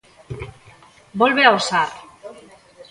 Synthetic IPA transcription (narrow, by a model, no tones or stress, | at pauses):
bolβeaosa